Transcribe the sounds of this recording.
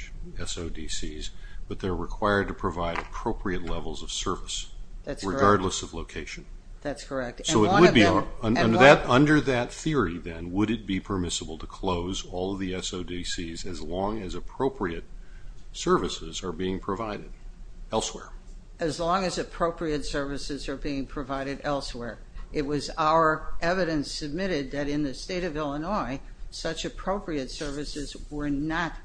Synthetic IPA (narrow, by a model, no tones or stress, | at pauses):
ɛsoʊdisizb̥ʌt̪̚ðə˞ɹɨkʰw̥aɪə˞d̚tɨpʰɹ̥ɨvaɪɾɨpʰɹ̥oʊpʰɹiɨtˡlɛvl̩ˠzʌv̥sɜ˞vɨsðæɹɨɡɑɹdˡləsʌvloʊkʰeɪʃɨ̃n | ðætskʰə˞ɛk̚tsoʊɨwəbiʌ̃ʌ̃ə˞ðɨɾʌ̃ndə˞ðɨt̪̚θɪɹiðɨ̃nwəɾɨt̚b̥ipʰə˞mɪsəbl̩ˠtʰɨkʰl̥oʊzɔlˠʌvðiɛsoʊdisizɨzlɔ̃ŋɨzɨpʰɹ̥oʊpʰɹiɨt̚sɜ˞vɨsɪzə˞biɪ̃ŋpʰɹ̥ɨvaɪɾɨɾɛlˠswɛ̰ɹ | ɨzlɔ̃ŋɨzɨpʰɹ̥oʊpʰɹiɨtsɜ˞vɨsɨzə˞biɪ̃ŋpʰɹ̥ɨvaɪɾɨɾɛlˠswɛɹ | ʔɨt̚wʌzaʊə˞ʔɛvɨɾɨ̃nsɨb̚mɪɾɪd̪̚ðɨɾɨ̃nðɨsteɪɾʌvɪlˠənɔɪ | sʌt͡ʃɨpʰɹ̥oʊpɹiɨtsɜ˞vɨsɨzwə˞nət̚